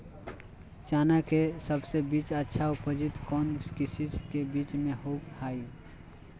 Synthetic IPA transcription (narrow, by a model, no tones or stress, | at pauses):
t͡ʃaːnakesəbsebiːt͡ʃətːʃʰaʊpəd͡ʒɪt̪kɔːnkɪsit̪kebiːt͡ʃmẽɦoːkhaːi